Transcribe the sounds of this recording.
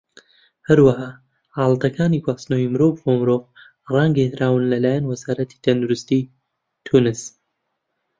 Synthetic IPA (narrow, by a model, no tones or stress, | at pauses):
hɐɾwaɦaː | haːlˠd̪ɐkʰaːniɡwaːsnojimɨɾoːvomɨɾoːv | raŋɡehɾaːwɨnlɐlaːjanwɐzaːɾɐt̪ʰi̥t̪ʰɐnd̪uɾɪst̪i | t̪ʰunɨs